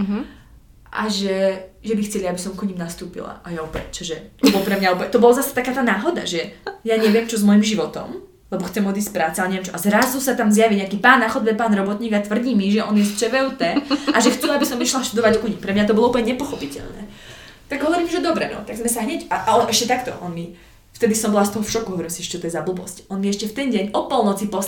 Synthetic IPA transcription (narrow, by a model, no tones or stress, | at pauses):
ʔaʒɛʒɛbixt͡sɛliabisɔmkuɲimnast̪uːpḭla̰ʔajaupɛt͡ʃɔʒɛt̪ɔbɔlpɾɛmɲaupɛt̪ɔbɔlazasɛ̥t̪akaːt̪aːnaːɦɔd̪a̰ʒɛjaɲɛʋɪɛmt͡ʃɔzmɔjimʒiʋɔt̪ɔ̰m | lɛbɔxt͡sɛmɔd̪is̬ʲcpɾaːt͡sɛalɛɲɛʋjɛmnt͡ʃɔʔazɾazusat̪amzjaʋiɲɛakiːpaːnːaxɔd̪bɛpaːnɾɔbɔt̪ɲiːɡat̪ʋr̩ɟiːmiʒɛʔɔnjɛst͡ʃɛʋɛut̪ɛːʔaʒɛxt͡suabisɔmiʃlaʃt̪ud̪ɔʋackuɲipɾɛmɲat̪ɔbɔlɔuplɲɛɲɛpɔxɔpicɛ̰ʎnɛ̰ | t̪aɡɦɔʋɔɾiːmʒɛd̪ɔbɾɛ̰nɔ̰t̪aɡzmɛsaɦɲɛcaʔaɔnʔɛʃcɛt̪akt̪ɔ̰ʔɔnmi | ft̪ɛd̪isɔmbɔlast̪ɔɦɔfʃɔkuɦɔʋɔɾimsiɛɛcɛt̪ɔjɛzablubɔ̰scɔnmiɛʃcɛft̪ɛnɟɛɲɔpɔlˠnɔt͡sipɔs